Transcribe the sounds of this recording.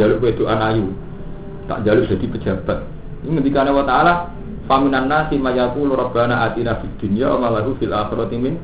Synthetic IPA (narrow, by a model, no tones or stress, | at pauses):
alʊʔkwed̪̥oʔanaju | t̪a̰ʔɲd͡ʒalʊʔd̥a̤d̪ipə̥d͡ʒ̥a̤b̥a̤t̪̚ | iŋəd̪ikanawat̪aʔala | faminanːasimajakuluɾɔb̥anaʔat̪inafid̪̥ṳniawa̰malaɦufilʔaxiɾɔt̪imɪn